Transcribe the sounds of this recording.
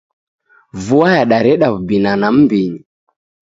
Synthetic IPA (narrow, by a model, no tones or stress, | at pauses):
vuajaɗaɾɛɗaβubinanam̩biɲi